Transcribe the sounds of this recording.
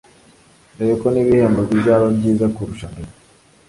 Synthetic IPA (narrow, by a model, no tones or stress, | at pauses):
nejokoniβiheːmbobizaɾobɟiːzakuɾuʃane